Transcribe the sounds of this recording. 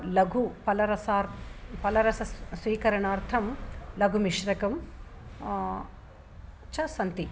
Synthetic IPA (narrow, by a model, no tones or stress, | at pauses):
lɐɡʱupɐlɐɾɐsaːɾpɐlɐɾɐsɐsʋiːkɐɾɐɳaːɾt̪ʰɐmlɐɡʱumiʂɾɐkɐm | t͡ʃɐsɐnt̪i